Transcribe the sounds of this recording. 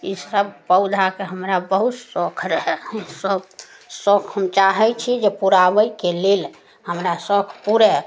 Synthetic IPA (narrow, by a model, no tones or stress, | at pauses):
isəbpəʊd̪ʱakeɦəmɾabəɦut̪sokʰɾəɦɛsəb | sokʰɦəmt͡ʃaɦɛt͡ʃʰid͡ʒepuɾaʋəjkelel | həmɾasokʰpuɾɛ